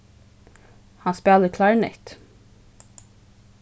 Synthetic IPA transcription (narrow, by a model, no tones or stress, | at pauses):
hɑnspeːləkʰlɑɹnɪ̰t̪